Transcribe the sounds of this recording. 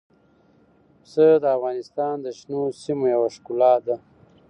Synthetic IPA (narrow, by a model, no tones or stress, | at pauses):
səd̪əafɣɑnɪst̪ɑːnd̪əʃnosimojawaʂkulɑd̪a